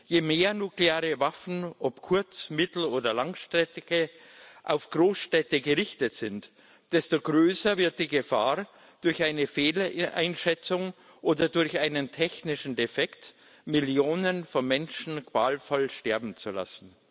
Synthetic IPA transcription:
jeːmeːɐnukleaːʁəvafn̩ʔɔpkʰʊɐt͡smɪtl̩oːdɐlaŋʃtʁɛtɪɡ̥ə | ʔa̰ʊfɡ̥ʁoːsʃtɛtəɡəʁɪçtətz̥ɪnt | d̥ɛstoɡʁøːsɐvɪɐt̚d̥iːɡəfa̰ː | d̥ʊɐçaɪnəfeːlʔa̰ɪnʃɛt͡sʊŋ | ʔoːdɐdʊɐçaɪnəntʰɛçnɪʃn̩defɛkt | mɪljoːnənfɔnmɛnʃn̩kv̥aːlfɔlʃtɛɐbm̩t͡sula̰sn̩

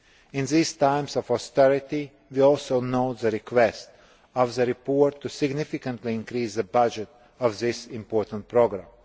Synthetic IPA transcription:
ɪ̃nðiːstãɪ̃msɔfɔst̪ɛɹɪt̪i | ʋiɔlˠsoʊnoʊt̪ðəɾɪkʰwɛst̪ | ɔvðəɾɪpɔɹtʰːusɪɡnɪfɪkə̃nt̪liɪ̃nkɾiːsðəbʌd͡ʒɛt | ɔvðɪsɪ̃mpɔɹt̪ə̃nt̚pʰɾoɡɾãm

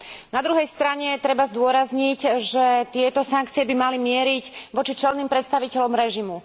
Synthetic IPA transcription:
nad̪ɾuɦɛjst̪ɾaɲɛt̪ɾɛbazd̪ʊɔɾazɲiɟʒɛt̪ɪɛt̪ɔsaŋkt͡siɪɛbimalimɪɛɾiɟʋɔt͡ʃit͡ʃɛlniːmpɾɛt̪st̪aʋicɛʎɔmɾɛʒimu

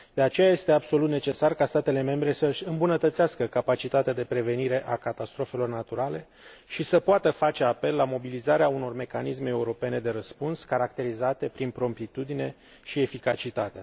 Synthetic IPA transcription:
d̪̥e̞at͡ʃe̞jaje̞st̪e̞abso̞lut̪ne̞t͡ʃe̞sarkast̪at̪e̞le̞me̞mbɾe̞səʃʲɨmbunət̪ət̪seaskəkapat͡ʃit̪at̪ead̪e̞pɾe̞ve̞niɾe̞ʔakat̪ast̪ɾo̞fe̞lo̞rnat̪uɾale̞ | ʃisəpoat̪əfat͡ʃe̞ape̞lːamo̞bilizaɾeauno̞rme̞kanisme̞euɾo̞pe̞ne̞d̪e̞ɾəspunskaɾak̚t̪e̞ɾizat̪e̞pɾinpɾo̞mp̪it̪ud̪ine̞ | ʃie̞fikat͡ʃit̪at̪ea

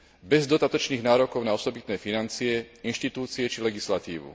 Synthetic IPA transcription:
bɛzd̪ɔd̪at̪ɔt͡ʃniːɣnaːɾɔkɔʊnaɔsɔbit̪nɛːfinant͡siɛinʃt̪it̪uːt͡siɛt͡ʃilɛɡislat̪ḭːʋṵ

